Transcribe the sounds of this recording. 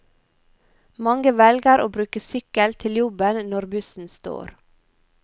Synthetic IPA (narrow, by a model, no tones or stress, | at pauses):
mɑŋɡəʋɛlɡəɾʔoːbɾʉːkəsʏkəlt̪ʰɪljʊbənnɔɾbʉsn̩st̪o̰ːɾ